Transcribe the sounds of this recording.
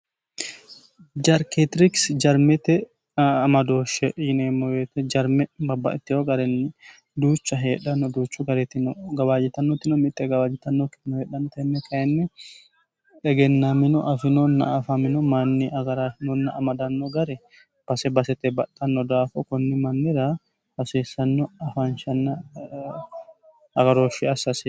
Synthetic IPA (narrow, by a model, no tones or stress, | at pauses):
d͡ʒɐɾket̪ɪɾɪksd͡ʒɐɾmɛt̪ɛ | ɐmɐd̪oːʃɛjɪneːmːɔjet̪ɛd͡ʒɐɾmɛbɐbːɐ̰ʔɪt̪ːɪhoɡɐɾɛnːɪ | d̪uːt͡ʃːɐɦeːᶑɐnːɔd̪uːt͡ʃːʊɡɐɾɛt̪ːɪnɡɐbaːd͡ʒɪt̪ɐnːɔt̪ːɪnɔmɪt̪ʼːɛɡɐwaːd͡ʒɪt̪ɐnːɔkɪ̥nɔheːᶑɐnːɔt̪ɐɛnːɛkɐɛnːɛ | ᶑɛɡɛnːamɪnɔʔɐfɪnɔnːɐ̰ːfamɪnɔmaːnːɪʔɐɡɐɾanɔnːɐːmɐd̪ɐnːɔɡɐɾɛ | b̥ɐsɛbɐsɛt̪ɛbɐtʼːɐnːɔd̪aːfɔkɔnːɪmɐnːɪɾa | bɐseːsːɐnːɔɐfanʃɐnːɐ | ɐɡɐɾoːʃɪɐsɐsɪ